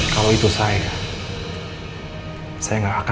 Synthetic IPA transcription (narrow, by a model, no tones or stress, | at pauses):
kaloit̪usaja | sajaŋɡaːka